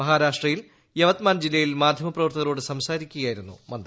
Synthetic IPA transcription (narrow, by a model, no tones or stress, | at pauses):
mɐɦaːɾaːʂʈrɐjil | jeʋɐt̪maːnd͡ʑilːɐjilmaːd̪ʱjɐmɐprɐʋɐrt̪ɐɣɐlo̞ːɽɨsɐmsaːɾikʲːuɣjɐaːjiɾunːṵmɐnd̪